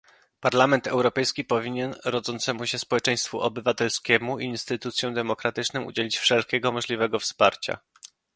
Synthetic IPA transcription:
paɾlamɛnt̪ɛwɾɔpɛjskʲipɔvʲiɲɛnɾɔd̪zɔnt̪sɛmuɕɛspɔwɛt͡ʂɛj̃st̪fuʔɔbɘvat̪ɛlskʲɛmuinst̪ɘt̪ut̪sʲjɔ̃w̃d̪ɛmɔkɾat̪ɘt͡ʂnɔwṵd͡ʑelʲit͡ɕfʂɛlkʲɛɡɔmɔʐlʲivɛɡɔfspaɾt͡ɕa̰

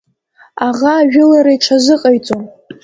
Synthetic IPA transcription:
aʁaːʒᶣʊlaɾajʈ͡ʂʰazɨqʼajt͡sʼom

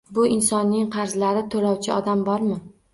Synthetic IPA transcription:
bʊʔɪnsɒnːɪŋqʰɑɾzlaɾɪt̪ʰolɒwt͡ʃʰɪɒd̪ambɒɾmɪ

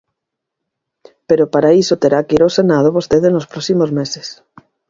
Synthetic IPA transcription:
peɾopaɾaisot̪eɾakiɾosenað̞oβost̪eðenospɾɔsimozmeses

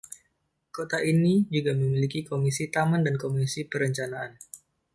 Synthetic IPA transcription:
kot̪aʔinid͡ʒuɡaməmilikikomisit̪amandankomisipəɾəɲt͡ʃanaan

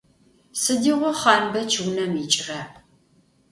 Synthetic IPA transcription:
sɨdiːʁʷɔχɑːnbɐt͡ʃʰɨwnɐmit͡ʃʼrɐ

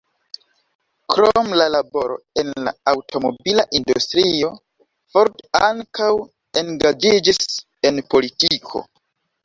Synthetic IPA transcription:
kɾomlalabo̞ɾo̞̰e̞nla̰awtʰo̞mo̞̰bilaʔindustɾio̞ | foɾtaŋkaw | e̞ŋɡad͡ʒid͡ʒis | e̞npo̞litikʰo̞̰

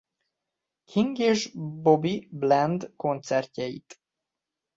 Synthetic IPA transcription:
kʰiŋɡeːʒbobiblɛnd̪ko̞nt̪sɛrcɛjḭt̪

